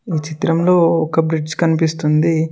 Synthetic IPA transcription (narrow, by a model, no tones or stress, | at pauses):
iːt͡ʃit̪ɾɐmlo̞ːɔkɐbɾid͡ʒkɐnipist̪und̪i